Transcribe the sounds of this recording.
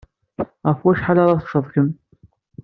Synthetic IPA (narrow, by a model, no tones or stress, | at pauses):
ʁəfwæʃħalɑɾˤɑθʃəðˤkəm